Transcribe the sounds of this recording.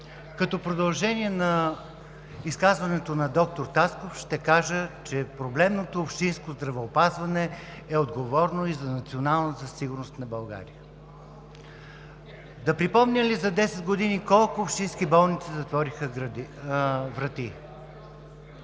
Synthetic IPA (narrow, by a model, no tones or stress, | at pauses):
kɐt̪ɔpɾod̪ɐlˠʒɛnʲiɛnɐ | iskazvɐnɛt̪onɐd̪ɔk̚t̪oɾt̪askofʃt̪ɛkaʒət͡ʃɛpɾoblɛmnot̪oːpʃt̪inskozd̪ɾɐvɛopazvɐnɛ | ɛod̪ɡovɔɾnoizɐnɐt̪sionalˠnəzɐsiɡʊɾnost̪nɐbɐlˠɡa̰ɾijə | d̪ɐpɾipɔmnʲəlizɐd̪ɛsɛd̪ɡod̪inikɔlˠkʊːpʃt̪inskibɔlˠnit̪sizɐt̪vɔɾixə | vɾɐt̪i